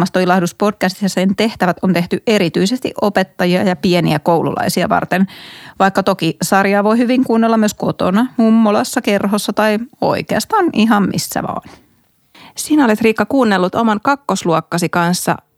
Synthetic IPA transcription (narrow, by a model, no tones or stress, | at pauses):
mɑst̪oilɑhduspod̚kæst̪i̥sjɑsent̪eht̪æʋæt̪ont̪eht̪yʔeɾit̪yisest̪ḭʔopet̪ːɑjiɑjɑpienḭækoulṵlʔɑ̰isiɑ̰ʋɑ̰rt̪enʋɑikːɑt̪okisɑrjɑːʋoihyʋiŋkuːnːelːɑmyøskot̪o̰nɑmumːolɑsːɑkerɦosːɑt̪ɑio̰ikeɑst̪ɑːniɦɑmmḭsːæ̰ʋɑ̰ːn | siːnæolet̪riːkːɑkuːnːelːut̪omɑŋkɑkːosluɔkːɑsikɑnsːɑ̰